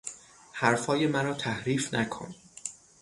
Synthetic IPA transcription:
hæɾfhɒːje̞mæɾɒːt̪ʰæhɾiːfnækʰo̰n

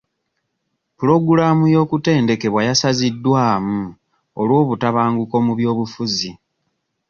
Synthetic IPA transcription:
pulo̞ɡuɾaːmujo̞ːkute̞ːnde̞ke̞βwajasazidːwaːmu | olwo̞ːβutaβaːŋɡuko̞muβjo̞ːβufuzi

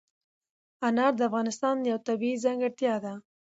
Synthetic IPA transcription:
anɑɾd̪əafɣɑnɪst̪ɑnjawt̪abiizaŋɡɪɾt̪jɑd̪a

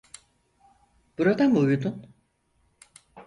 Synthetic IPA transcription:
b̥uɾad̪amujud̪un

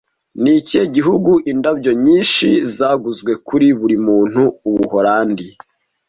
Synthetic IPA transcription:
niceɟiɦuɡuʔindabɟo̞ɲiːnʃizaːɡuzɡwe̞kuɾiβuɾimuːn̥huːβuhoɾaːndi

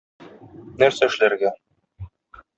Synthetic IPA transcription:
næɾsæɘ̆ʃlæɾɡæ

